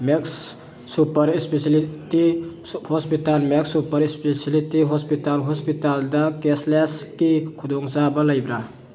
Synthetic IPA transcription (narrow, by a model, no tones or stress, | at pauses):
meksː | upʌɾispeslitihɔspitalmeksupəɾispesilitiɦɔspitalɦɔspitald̪akesleskikʰud̪ɔŋsabaləjbɾa